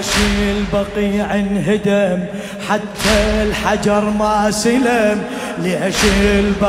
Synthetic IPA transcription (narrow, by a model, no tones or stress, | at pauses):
ʃiːlbɑqiːʕɪnɦɪd̪am | ħat̪ʰːalħad͡ʒɑɾˤmaːsɪlam | liʕaʃiːlb